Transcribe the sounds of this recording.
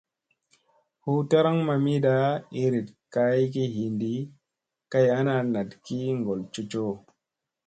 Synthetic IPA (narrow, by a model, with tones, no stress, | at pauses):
hu˦ta˦ɾa˦ŋma˨mi˦ɗa˦i˦ɾi˨dka˦i˦ki˦ɦi˨ndi˦ | ka˦ja˦na˦na˨dki˦ŋɡo˨lt͡ʃu˦t͡ʃo˦